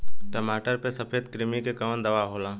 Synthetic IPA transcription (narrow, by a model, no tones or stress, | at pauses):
ʈəmaːʈəɾpesɐpeːd̪kɾɪmikekɐənd̪ɐʋaɦoːlãː